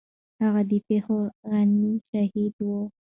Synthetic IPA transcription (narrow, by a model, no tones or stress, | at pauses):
haɣad̪ipexoɣaniʃahid̪wo